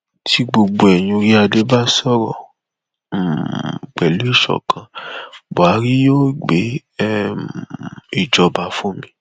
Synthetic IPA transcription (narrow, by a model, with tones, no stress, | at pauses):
tʰi˧ɡ͡bo˧ɡ͡bo˧ɛ˨j̃ũ˧ɾi˦a˧de˨˦ba˦sɔ˦ɾɔ˦˨ | k͡pɛ˨lu˨˦i˦˨ʃɔ̰˨kʰã˨ba˨˦ɾi˦jo˦˨ɡ͡be˨˦ | i˨d͡ʒɔ˨ba˨˧fũ˦mĩ˧